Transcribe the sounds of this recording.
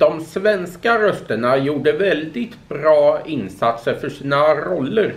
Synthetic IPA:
d̪ɔmsvɛnskaɾœst̪əɳajuːɖəvɛld̪ɪt̪bɾɑːɪnsat̪səɾfœʂiːnaɾɔlːəɾ

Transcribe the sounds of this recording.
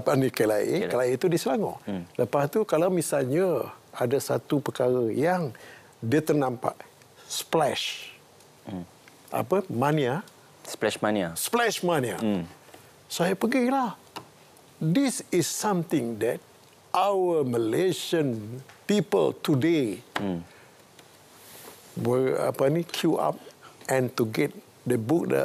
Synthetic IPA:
panikəla̰ʔḭəlait̪udisəlaŋo̰ʔləpast̪ukalawmĩsalɲəadasat̪upəkaɾəjaŋ | diət̪ərnãmpa̰ʔ | splɛʃ | ʔa̰pəmania | splɛʃmaniasplɛʃmania̰ | saɛpəɡilah | disisːãmt̪ɪ̃ŋdɛt̚ | ʔawəməleʃə̃npipə̰lt̪ude | wəa̰pənĩkʰjua̰p̚ʔɛ̃nt̪uɡɛt̚ | dəbuk̚də̰

